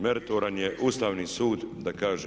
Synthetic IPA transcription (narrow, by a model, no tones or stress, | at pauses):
meɾt̪oɾanjeʔuːst̪aːʋnisuːd̪ːakaːʒe